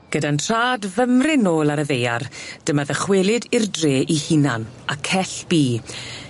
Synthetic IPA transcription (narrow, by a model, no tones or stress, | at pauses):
ɡ̥ədantʰr̥aːdvəmrɪnoːlˠaɾəðejard̥əmaðəχweːlˠɪdɪrdreːʔihinanakʰɛɬb̥iː